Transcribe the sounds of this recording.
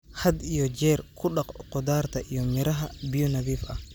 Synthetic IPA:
hɐd̪ijɔd͡ʒɛːɾkʰʊɗɐqqɔd̪aːɾt̪ʰɐʔijɔmɪɾɐɦɐbijɔnɐβiːfʔɐ̰

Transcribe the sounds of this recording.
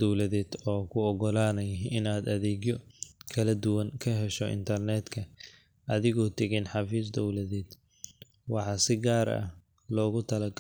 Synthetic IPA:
ɔwlɐðɛːd̪ɔːkʰʊɔɡɔlaːnɛjɪnaːd̪ɐðɛːɡjɔkʰɐlɐd̪ʊwɐŋkʰɐɦɛʃɔʔɪ̰nt̪ʰɐrnɛːd̪kʰɐ | ʔɐðɪɣɔːt̪ʰɛɣinħɑfiːsd̪ɔwlɐðɛːd̪̥ | wɑħɑːsɪɡaːɾɐ̰h | lɔːɣʊt̪ʰɐlɐɡ

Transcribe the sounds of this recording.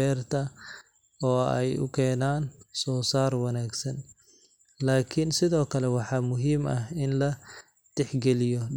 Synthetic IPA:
ɛːrt̪ʰɐ | ɔːɛ̰jʊ̰kʰɛːnaːnsɔːsaːrwɑnaːɡsɐn | laːkʰɪnsɪðɔːkʰɐlɛwɑħɑːmʊɦiːmɐɦɪnlɐ | t̪ɛħɡɛlɪjɔ

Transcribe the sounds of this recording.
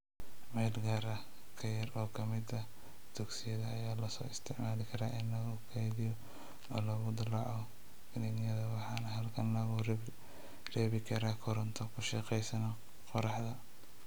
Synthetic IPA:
mɛlɡɐːɾɐ | kʰɐjɐrɔːkʰɐmɪd̪ɐ | d̪̥ɔɡsɪjɐðɐːjaːlɐsɔ̰ːɪst̪ʰɪʕmaːlɪkʰɐɾaːʔɪnlɐɣʊkʰɛjðɪjɔ | ɔːlɔɣʊd̪ɐlɑʕɔ | ɡɪnɐɡjɐðɐwɑħɑːnɐɦɐlkʰɐnlɐɣʊ | rɛːβɪkʰɐɾaːkʰɔɾɔnt̪ʰɔkʰʊʃɛqɛjsɐnɔ | qɔɾɑħdɐ

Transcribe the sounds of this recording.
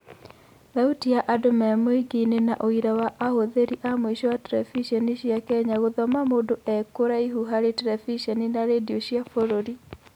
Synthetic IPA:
ðautiaʔadomamoiɡinenaʔoiɾawaʔahoðeɾiʔamoiɕɔwatɛɾɛfiʃɛniɕjakɛɲaɣoðɔmamoːdoʔɛkoɾaiɦuɦaɾetɛɾɛfiʃɛninaɾedioɕjafoɾoɾi

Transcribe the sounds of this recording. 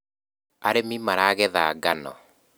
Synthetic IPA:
aɾemimaɾaɣɛðaːɡanɔ̰

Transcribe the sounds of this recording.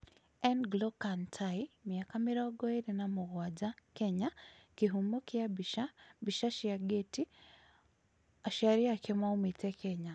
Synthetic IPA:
ɛnɡlɔkantʰaimiakamiɾɔɡɔeɾenamoɣwad͡ʒakɛɲakeɦumokiababiʃaʃiaɡeti | aʃaɾiakemaumitɛkʰɛɲa

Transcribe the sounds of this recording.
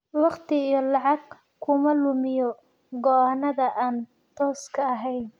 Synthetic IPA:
wɑχt̪ʰɪijɔlɑʕɑɡ | kʰʊmɐlʊmɪjɔ | ɡɔːhɐnɐðɐʔaːn | t̪ʰɔːskʰɐːɦɛjn

